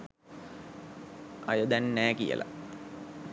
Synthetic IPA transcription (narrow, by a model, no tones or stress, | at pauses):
ɐjəd̪ænːæːkijə̰lʔa̰